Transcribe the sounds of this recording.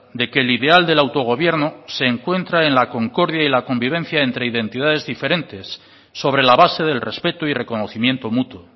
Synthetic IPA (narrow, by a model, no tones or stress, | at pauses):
d̪e̞ke̞ːliðe̞ald̪e̞lawt̪o̞ɣ̞o̞β̞je̞ɾnose̞ːŋkwe̞nt̪ɾaenlako̞ŋko̞ɾðjailako̞mbiβ̞e̞n̟θjae̞nt̪ɾe̞iðẽ̞nt̪iðað̞e̞zðife̞ɾe̞nt̪e̞sː | o̞βɾe̞laβase̞ðe̞lre̞spe̞t̪oire̞ko̞no̞θimje̞nt̪o̞mut̪wo